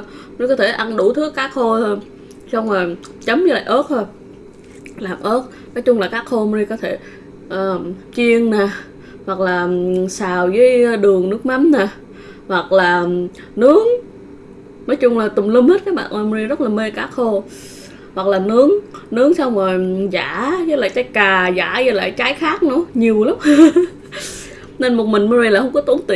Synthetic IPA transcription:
i˧kɔ˨˦t̪ʰe˧˩ʔa˧nɗu˧˩t̪ʰɨ˦˥əkːaː˦˥k̚xo˧ | sa˧wŋ͡mzo˨˩j | t͡ɕə˨˦mvəː˨˦la̰ː˧˨˩ʔəː˦˥t̚t̪ʰo˧j | laː˨˩mʔəː˦˥t̚ | nɔ˨˦jt͡ɕʊ˧ŋ͡mlaː˨˩kaː˦˥k̚xo˧m˧i˧kɔ˨˦t̪ʰe˧˩ | ʔəː˨˩t͡ɕi˧əŋnaː˨˩ | hwa˨˩k̚laː˨˩saː˨˩wvəː˨˦jɗɨ˨˩əŋnɨ˦˥ək̚ma˨˦mnaː˨˩ | hwa˨˩k̚laː˨˩ | nɨ˨˦əŋ | nɔː˨˦jt͡ɕʊ˧ŋ͡mlaː˨˩t̪ʊ˨˩ŋ͡mli˧mhe˦˥t̚kaː˦˥k̚ɓa̰ː˧˨ʔa˧˩m˧i˧zə˦˥t̚laː˨˩me˧kaː˦˥k̚xo˧ | hwa˨˩k̚laː˨˩nɨ˨˦əŋnɨ˨˦əŋsa˧wŋ͡mo˨˩jza̰ː˧˩˥zə˧˦la̰ː˧˩t͡ɕaː˨˦jkaː˨˩za̰ː˧˩zə˧˦˥la̰ː˧˨jt͡ɕaː˨˦jxaː˦˥k̚nṵ˧˥˦ɲi˨˩əwlʊ˦˥k͡p̚ | ne˧nmo˨˩t̚mï˨˩ŋ̟m˧˦ɾi˧laː˨˩jhə˧wŋ͡mkɔ˨˦t̪u˨˦əŋt̪ḭ˧˨

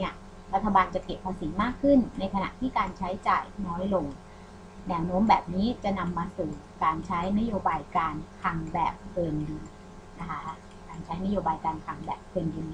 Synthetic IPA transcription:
ni˥˩ɐ | ɾa˦˥t̪ʰːa˧baː˧nt͡ɕa˨˩ke˨˩pʰːa˧siː˨˩˦maː˥˩kʰːɯ˥˩nːa˧jkʰa˧na̰˨˩ʔt̪ʰiː˥˩kaː˧nt͡ɕʰa˦˥jt͡ɕaː˨˩jnɔː˦˥jlo˧ŋ | nɛː˧˩wnoː˦˥mbɛː˨˩p̚niː˦˥t͡ɕa˨˩na˧mːaː˧suː˨˩ | kaː˧nt͡ɕʰa˦˥jna˦˥joː˧baː˧jkaː˧nkʰa˧ŋbɛ̰ː˨˩p̚kʰɤː˧njɯ˧n | na˦˥kʰa˦˥ | kaː˧nt͡ɕʰa˦˥jna˦˥joː˧baː˧jkaː˧nkʰaː˧ŋbɛ̰ː˨˩p̚kʰɤː˧njiː˧n

